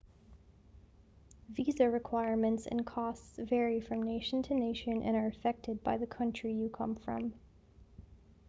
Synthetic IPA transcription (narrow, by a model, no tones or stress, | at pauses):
ðizə˞ɹɨkʰw̥aɪɹmɨ̃ntsɨ̰̃nkʰɔstsvɛɹifɹʌ̃mneɪʃn̩tʰɨneɪʃɨ̃nʔɨ̰̃ñə˞ɨfɛk̚tɨd̚baɪðɨkʰʌ̃nt͡ʃɹ̥ijɨkʰʌ̰̃ɱfɹʌ̰̃m